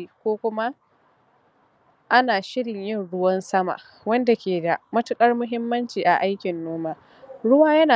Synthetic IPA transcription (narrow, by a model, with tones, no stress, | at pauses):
i˨kʷoː˦kʷʊ˦ma˦ | ʔa˦naː˨ʃɪ˦ɽɪ˨ɲjɪ˦˨nɽʊ˦wɐ˦nsɐ˦ma̰˨ | wɐ˦nda˨kʲeː˨da˨mɐ˦tʊ˦kʼɐ˦rmʊ˦ɦɪ˦mːɐ˦nt͡ʃiː˨ʔa˨ʔa˦jkʲɪ˨nːoː˦maː˦ | ɽʊ˦waː˦jɐ˦naː˨